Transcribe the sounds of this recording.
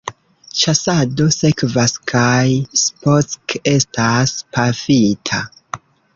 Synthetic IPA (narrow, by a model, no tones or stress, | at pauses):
t͡ʃasado̞se̞kvaskʰajsposke̞staspafitʰa